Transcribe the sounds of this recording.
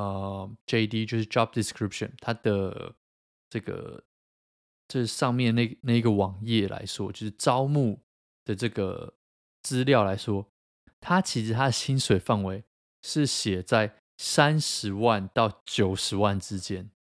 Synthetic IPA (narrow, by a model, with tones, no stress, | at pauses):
ə˧d͡ʒe˥ɪd̪i˥t͡ɕjo˥˧ʊʂɻ̩˥˩ʈ͡ʂɑ˥˧p̚d̪i˨˩skɹi˥p̚ʂə̰˨nt̪ʰa˥d̪̥ə˩ | ʈ͡ʂɤ˥˩ɡə̰˩ | t͡ɕʂ̩˥˧ʂɑ˥˧ŋmjɛ˥˨na˥˩na˥˩ɪ˧˥ɡə˨wɑ˨˩ŋjɛ˥˨lʔa̰˧˦ɪʂwɔ˥t͡ɕjo˥˧ʊʂɻ̩˥˩ʈ͡ʂɑ˦˥ʊmu˥˩ | d̪̥ə˩ʈ͡ʂɤ˥˩ɡə̰˩ | t͡sɹ̩˦ljɑ˥˨˩ʊla˧˥ɪʂwɔ˥ | t̪ʰa˥t͡ɕʰi˧˥ʂɻ̩˧˥t̪ʰa˥d̪ə˨ɕi˥nswe˨˩ɪfa˥˩nwe˧˥ɪ | ʂɻ̩˥˩ɕjɛ˨˩t͡sa˥˩ɪ | sa˦nʂɻ̩˧˥wa˥˨nt̪ɑ˥˩ʊt͡ɕjo˨˩ʊʂɻ̩˧˥wa˥˩nʈ͡ʂɻ̩˦t͡ɕjɛ˦n